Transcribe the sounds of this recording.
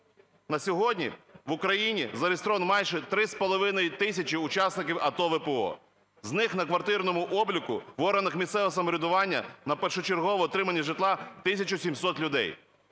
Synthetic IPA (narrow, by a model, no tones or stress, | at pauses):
nɐsʲɔɦɔdʲnʲḭʋʊkɾɐjinʲizɐɾʲɪst̪ɾɔʋɐnmɛjʃɛt̪ɾɪspɔlˠɔʋɪnɐjt̪ɪsʲɐt͡ʃiʊt͡ʃɑsnɪk̬ʲiwɐt̪ɔʋɪpeɔ̰ | znɪxnɐkʋɐrt̪ɪrnɔmʊʔɔblʲikʊ̰ʋɔɾɐnɪxmʲist̪ɛʋɛsɐmɔɾʲɪd̪ʊʋɑnʲːɐ̰nɐpɛrʃɔt͡ʃeɾɦɔʋɔːt̪ɾɪmɐnʲːɐʒɪt̪lˠɑt̪ɪsʲɐt͡ʃʊsʲimsɔt̪lʲʊd̪ɛ̰j